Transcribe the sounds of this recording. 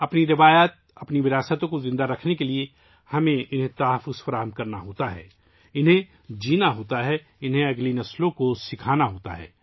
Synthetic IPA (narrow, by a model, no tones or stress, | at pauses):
ɐpniɾɪʋaːjaːt̪̚ɐpniʋɪɾaːsət̪õkozɪ̃nd̪aɾɐkʰnekelie | hɐmẽɪnɦẽt̪aːɦəfːʊzfɐɾaːɦəmkɐɾnaɦoːt̪aɦɛ̰ː | ɪnɦẽ | d͡ʒiːnaɦoːt̪aɦɛ | ɪnɦẽɐɡlinɐslõkosɪkʰaːnaɦoːt̪a̰ɦɛ̰ː